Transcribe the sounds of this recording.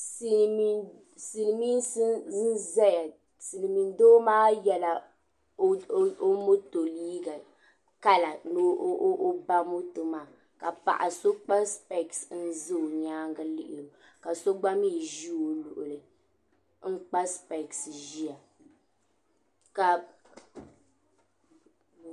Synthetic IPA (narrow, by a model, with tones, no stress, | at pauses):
si˦ | si˨lmi˦sɨ˦nzɛ˦ja˨ | sɨ˨lɨ˨mi˨n˦doː˦maː˦jɛ˦la˨˦ | o˦mo˦to˨liː˦ɡa˨ | ka˦la˨no˦ʔʔʔo˦ba˦mo˦to˨maː˦˨ | ka˨pa̰˨ʔa˨so˦k͡pa˦spɛ˨ksn̩˦zɨ˦o˨ɲaː˦ŋɡa˦lɪ˦ʔɪ˨lo˨ | ka˨so˦ɡ͡ba˦mi˦˨ʒi˦o˨lṵ˨ʔʊ˨lɨ˨ | ŋ͡m̩˦k͡pa˦spɛ˨ksʒi˦a˨ | ka˨